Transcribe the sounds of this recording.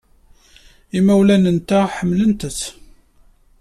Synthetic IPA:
imæwlænənt̪æħəmːlənt̪əθ

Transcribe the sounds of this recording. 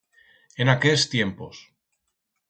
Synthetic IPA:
enakest̪je̞mpo̞s

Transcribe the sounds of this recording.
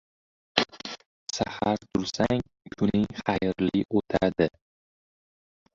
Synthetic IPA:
sahaɾt̪ʰʊɾsaŋ | kʰʊnɪŋχajɾliʔot̪ʰad̪ɪ

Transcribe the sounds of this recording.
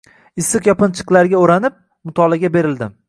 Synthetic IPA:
ɪsːɨqjɒpɪnt͡ʃʰɨ̥qlˠaɾɡʲaoɾanɪp̚ | mʊt̪ʰɒlˠaɡʲabe̞ɾɪld̪ɪm

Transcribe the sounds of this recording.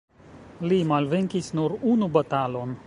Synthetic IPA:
lʲiːmalʲʋʲɪŋʲkʲisnoɾuːnubɐt̪aːlon

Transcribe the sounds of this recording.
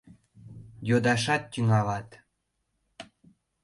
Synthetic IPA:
jod̪ɑʃɑt̪ːʲyŋɑlɑt̪

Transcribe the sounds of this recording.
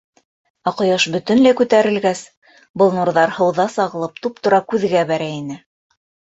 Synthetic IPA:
ɑqɤ̆jɑʃbɵ̆t̪ɵ̆nlæjkʉt̪æɾɘ̆lɡæs | bɤ̆lˠnuɾðɑɾhɤ̆wðɑsɑʁɤ̆lˠɤp̚t̪up̚t̪ŏɾɑkʉðɡæbæɾæinɘ

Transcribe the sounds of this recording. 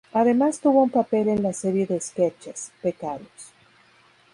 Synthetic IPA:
aðe̞mast̪uβo̞umpape̞le̞nlase̞ɾje̞ðeːsket͡ʃaspekaðos

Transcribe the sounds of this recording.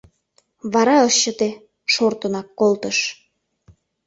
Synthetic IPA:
βɑɾɑɤʃːə̆t̪e | ʃort̪ənɑkːolt̪əʃ

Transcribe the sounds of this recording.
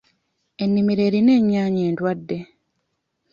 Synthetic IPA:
e̞nːimiɾe̞ːɾine̞ːɲːaːɲeːntwadːe̞

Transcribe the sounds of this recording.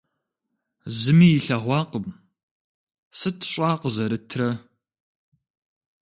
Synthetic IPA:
zɨmiːjɪɬɐʁʷɑːqəm | sɨtʰɕʼɑːqəzɐɾɨtʰrɐ

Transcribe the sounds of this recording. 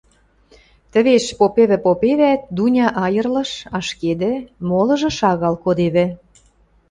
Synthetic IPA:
t̪ə̆βeʃpopeβɘ̆popeβæt̪̚d̪unʲɑʔɑjə̆rlɤ̆ʃɑʃked̪ɘ̆molɤ̆ʒɤ̆ʃɑɣɑlkod̪eβɘ̆

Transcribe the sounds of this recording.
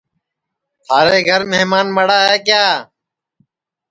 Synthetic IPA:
haːɾeːɡʱəɾmeːmaːnməɽaːɦɛːkjaː

